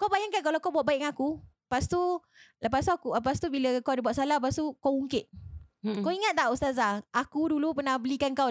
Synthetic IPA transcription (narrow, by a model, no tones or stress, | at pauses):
kawbajaŋkankalawkawbuaʔ̚baɪʔŋaŋaku | past̪u | ləpast̪uakuləpast̪ubiləkawadabuatʔsalaəp̬ast̪ukawuŋkɪʔ̪̚ | kawiŋat̪̚t̪ːaʔust̪azaakudulupərnahbəlikankaw